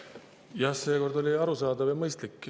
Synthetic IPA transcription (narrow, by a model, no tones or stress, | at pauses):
jɑse̞ːko̞rd̪o̞lʲiɑɾusɑːd̪̥ɑvjɑmɤjst̪likːˑ